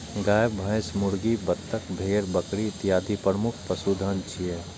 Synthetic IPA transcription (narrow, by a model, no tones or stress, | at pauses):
ɡaːjəbbʱəɪsmʊɽɡibət̪ːəkbʱeːɾbəkɽiɪt̪ɪjaːd̪ʱipɾəmʊkʰpəsuːd̪ʱənt͡ʃʰie